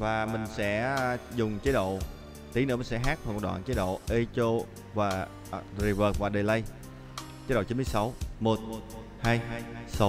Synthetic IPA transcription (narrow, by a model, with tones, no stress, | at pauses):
vaː˨˩mï˨˩ŋ̟sɛ̰˧˥zʊ˨˩ŋ͡mt͡ɕə˨˦˥ɗo̰˧˨ | t̪i˨˦nɨ̰˧˥˩mi˨˩ŋsɛ˧˥ɦaː˦˥k̚faː˨˩k̚ːɗwa̰ː˧˨t͡ɕəe˨˦˥ɗo̰˧˨ʔe˧t͡ɕo˧ | vaː˨˩ | zi˨˩vəː˨˩k̚vaː˨˩ɗə˨˩jlə˧j | t͡ɕəː˨˦˥ɗo̰˧˨˩i˨˦nmɨ˧˨jsa˨˦wmo˨˩t̚ | haː˧jsa˨˦w